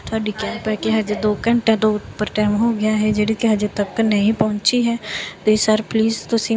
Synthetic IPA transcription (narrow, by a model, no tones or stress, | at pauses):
t̪ʰəːɖiːkɛːmpɛkeɦəd͡ʒd̪oːkəɳʈɛ̃d̪oːʊt̪pəɾʈɛːmɦoːɡɪjaːɦɛd͡ʒeːɽiːkeɦəd͡ʒt̪əb̚kənəɦĩpɔɦʊ̃nt͡ʃiɦɛːt̪ːɪsəɾpliːzt̪ʊsĩː